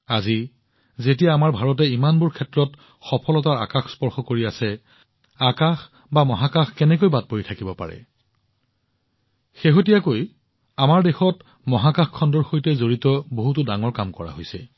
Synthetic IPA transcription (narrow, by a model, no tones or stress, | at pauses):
azi | zetijaːmaɹbʱaɹɔtɛimanbʊɹkʰɛtɹɔt | xɔpʰɔlɔtaɹa̰kaxspɔɹxɔkoɹiasɛ | akax | bamɔɦakaxkɛnɛkojbat̚poitʰakibɔpa̰ɹɛ̰ | xeɦotijakoj | amaɹdexɔt | mɔɦakaxkʰɔndɔɹxojtɛzoɹitɔboɦutʊdaŋɔɹkamkɔɹa̰ɦojsɛ̰